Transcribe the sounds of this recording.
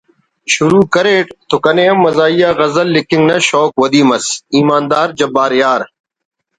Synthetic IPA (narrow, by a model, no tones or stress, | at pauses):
ʃʊɾuːkəɾeːʈt̪okɐnẽːɐmːɐzaːijaːɣɐzəlːɪkɪŋɡnɐʃɔːkwɐd̪iːmɐsiːmaːnd̪aːɾd͡ʒɐbaːɾjaːɾ